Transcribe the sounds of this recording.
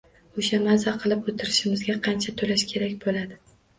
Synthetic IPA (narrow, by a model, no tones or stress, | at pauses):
oʃamazaqʰɨlˠɪpot̪ʰɪɾɪʃɪmɪzɡʲaqʰɑnt͡ʃʰat̪ʰolaʃkʲʰe̞ɾakʲbolad̪ɪ